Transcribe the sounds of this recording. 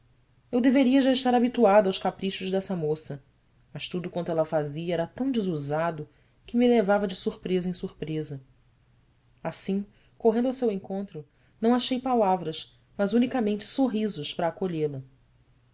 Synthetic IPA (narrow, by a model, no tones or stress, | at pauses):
ewd̪eveɾiɐʒaɪʃt̪aɾabit̪uad̪ʊawʃkapɾiʃʊʒd̪ɛsɐmosɐ | mɐʃt̪ud̪ʊkwɐ̃nt̪ʊɛlɐfaziɐɛɾɐt̪ɐ̃w̃d͡ʒɪzuzad̪ʊ | kɪmilevavɐd͡ʒɪsuɾpɾezɐẽj̃suɾpɾezɐ | asĩ | koɦẽnd̪awsewẽŋkõnt̪ɾʊ | nɐ̃w̃aʃejpalavɾɐʃ | mɐzunikɐmẽnt͡ʃɪ̥soɦizʊʃpɾɐːkoʎelɐ